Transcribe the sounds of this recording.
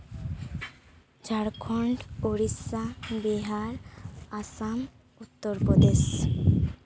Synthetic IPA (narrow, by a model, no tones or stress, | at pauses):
d͡ʒʱaɽkʰɔɳɖoɾisabeɦaɾasam | ut̪ːoɾpɔd̪es